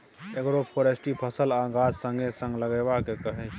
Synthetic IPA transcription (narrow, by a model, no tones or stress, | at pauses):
eɡɾopʰoːɾesʈipʰəsəlaːɡaːd͡ʒsə̃ŋɡʱesə̃ŋɡləɡebakekəɦẽ